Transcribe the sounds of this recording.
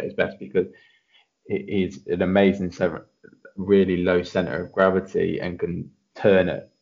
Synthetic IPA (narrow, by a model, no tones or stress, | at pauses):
ɪzbɛ̰sb̥ɨkʰʌz̥ | ʔizə̃nəmeɪzɪ̃ŋsɛ | ɹɪəliləʊsɛ̃ntə̰ɹə̰vɡɹavətʰḭə̰̃nkʰə̃n | tʰɜːnɪ̰ʔ̚